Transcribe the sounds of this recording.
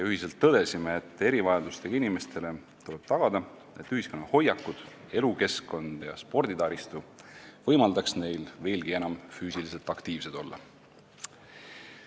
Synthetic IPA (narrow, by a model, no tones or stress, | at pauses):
jɑyɦise̞lt̪ːɤd̪̥e̞simeːt̪ːˑe̞ɾivɑjɑd̪ust̪e̞ɡ̥ɑinime̞st̪ʰe̞le̞ | t̪uleb̥̚t̪ɑɡ̥ɑd̪ɑ | e̞t̪ːˑyhisko̞nːɑho̞jɑkːˑud̪̥ | e̞luke̞sko̞nd̪̥jɑ̰spo̞rd̪̥id̪ɑːɾist̪uvɤ̞jmɑld̪ɑksne̞jlve̞ːlɡ̥ie̞nɑmfyːsilise̞lt̪ːˑɑkt̪iːvse̞d̪̥o̞lːɑ̰